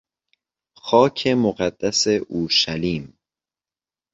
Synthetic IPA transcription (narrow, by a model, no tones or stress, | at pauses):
xɒːcʰe̞moɢæd̪̥ːæseʔuːɾʃæliːm